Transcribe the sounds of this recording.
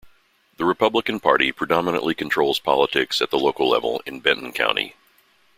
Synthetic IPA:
ðɨɹɨpʰʌbləkɨ̃n̩pʰɑ̰ɹɾipʰɹ̥ɨdɑmənə̰̃ʔlʔikʰn̩tʰɹ̥oʊlˠz̥pʰɑ̰lˠətʰɪksɨt̪̚ðəloʊkl̩ˠlɛ̰vl̩ˠɨ̃nbɛ̃nʔn̩kʰã̰ʊ̃ñtḭ

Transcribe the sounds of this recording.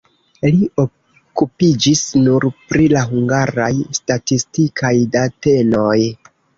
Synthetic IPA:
lio | kupid͡ʒisnuɾpɾilaɦuŋɡaɾajstatistikʰajdate̞no̞j

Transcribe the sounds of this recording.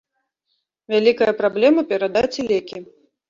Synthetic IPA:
vʲalʲikɐjɐpɾablʲɛmɐpʲɛɾad̪at͡sʲilʲɛkʲi

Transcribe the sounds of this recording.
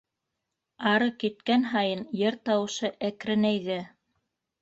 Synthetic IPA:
ɑɾɤkit̪̚kænɦɑjɤnjɘɾt̪ɑwɤ̆ʃɤʔækɾɘ̆næjðɘ

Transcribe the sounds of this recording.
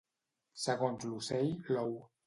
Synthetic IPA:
səɣonzlusejlow

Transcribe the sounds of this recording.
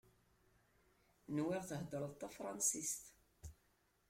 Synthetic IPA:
nwɪʁθəɦd̪əɾˤəðt̪ˤːæfɾˤɑnsist̪

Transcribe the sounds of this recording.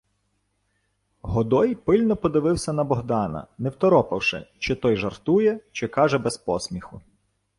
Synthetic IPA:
ɦɔd̪ɔjpɪlʲnɔpɔd̪ɪʋɪwsʲɐnɐbɔɦd̪ɑnɐ̰nɛwt̪ɔɾɔpɐwʃɪ̰t͡ʃɪt̪ɔjʒɐrt̪ujɛt͡ʃɪkɑʒɛbɛspɔsʲmʲixʊ

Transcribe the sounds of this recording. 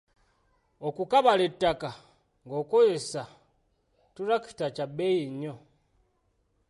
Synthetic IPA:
okukaβaletːaka | ŋɡo̞ːkojesa | tuɾaki̥tacabejiɲo

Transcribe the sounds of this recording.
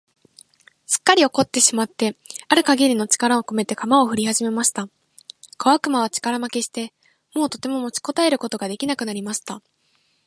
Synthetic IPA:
sɨ̥kːaɾʲio̞ko̞t̪ːe̞ɕimat̪ːe̞aɾɯ̟kaɡʲiɾʲino̞t͡ɕi̥kaɾao̞ko̞me̞t̪e̞kamao̞ɸɯ̟ɾʲihaʑime̞maɕi̥t̪a | kaβ̞akɯ̟maβ̞at͡ɕi̥kaɾamake̞ɕi̥t̪e̞ | mo̞ːt̪o̞t̪e̞mo̞mo̞t͡ɕi̥ko̞t̪ae̞ɾɯ̟ko̞t̪o̞ɡad̪e̞kʲinakɯ̟naɾʲimaɕi̥t̪a

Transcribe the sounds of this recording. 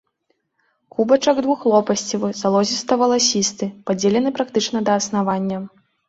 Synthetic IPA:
kubɐt͡ʂɐɡd̪vuxlˠɔpɐsʲt͡sʲivɨzalˠɔzʲist̪ɐvɐlˠasʲist̪ɨpad͡zʲelʲɛnɨpɾakt̪ɨt͡ʂnɐd̪ɐːsn̪avanʲːɐ

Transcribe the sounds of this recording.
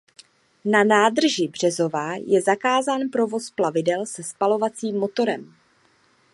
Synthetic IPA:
nanaːdr̩ʒɪbr̝̥ɛzo̞vaːjɛzakaːzaːnpɾo̞vo̞splavɪdɛlsɛspalo̞vat͡siːmːo̞t̪o̞ɾɛm

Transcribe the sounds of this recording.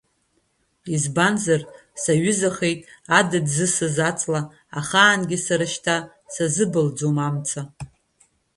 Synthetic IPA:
izbanzar | saɥʏzaχejtʼadɨdzɨsɨzat͡sʼla | aχaːnɡʲɪsaɾɨʃtʰa | sazɨbɨld͡zomamt͡sʰa

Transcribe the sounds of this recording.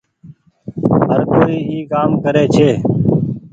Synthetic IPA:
ɦəɾkoːiːiːkaːmkəɾeːt͡ʃʰeː

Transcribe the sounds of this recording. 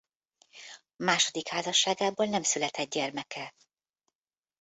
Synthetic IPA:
maːʃo̞d̪ikhaːzɒʃːaːɡaːboːlnɛmsylɛt̪ʰɛd̪̚ɟɛrmɛkɛ

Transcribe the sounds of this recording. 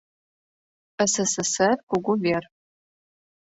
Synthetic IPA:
əsɐsɨsɐrkʷʊɡʷʊvʲer

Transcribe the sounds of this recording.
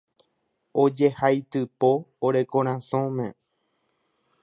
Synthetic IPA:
od͡ʒe̞hajt̪ɨpoːɾe̞kõɾ̃ãsõmẽ̞

